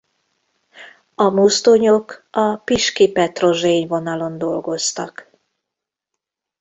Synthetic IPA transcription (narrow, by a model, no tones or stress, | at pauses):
ɒmust̪oɲokɒpiʃkipɛt̪ro̞ʒeːɲvo̞nɒlo̞nd̪o̞lɡo̞st̪ɒk